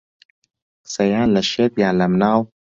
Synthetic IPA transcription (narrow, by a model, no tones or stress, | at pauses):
sɐjaːnlaʃet̪jaːlamnaːw